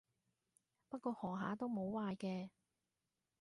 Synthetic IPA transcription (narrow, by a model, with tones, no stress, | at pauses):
pɐ˥t̚kʷɔː˧hɔː˨˩ŋɦa̰ː˨˥t̪o˥wmo˨˧wwaː˧jkɛː˧